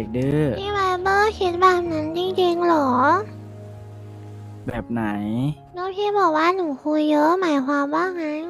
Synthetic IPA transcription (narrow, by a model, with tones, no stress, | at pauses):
k̚dɯː˧˩iː˧˥˩waː˧˩bɤː˧˥˩kʰe˨˦˥t̪̚baː˧˩p̚na˦˥nt͡ɕi˧ŋt͡ɕi˧ŋlɔː˩˦ | bɛː˨˩p̚na˩˦j | nɔː˦˥t̪ʰiː˧˥˩bɔː˨˩k̚waː˥˩nu˨˩˦kʰu˧jːɤː˦˥maː˨˦jkʰwaː˧mbaː˥˩ŋma˦˥j